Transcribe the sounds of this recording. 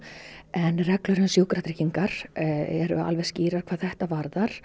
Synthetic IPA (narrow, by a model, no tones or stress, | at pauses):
ɛnrɛklʏɾɪnsjuːwkɾat̪ɾɪciŋkaɾ̥ɛ̰ɾʏ̰a̰lvɛɣsciːɾaɾ̥kʰvaːðθɛht̪avaɾðaɾ̥